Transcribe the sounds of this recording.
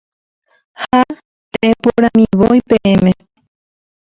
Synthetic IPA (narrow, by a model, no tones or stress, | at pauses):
ha | t̪eepoɾãmĩβojpeʔemẽ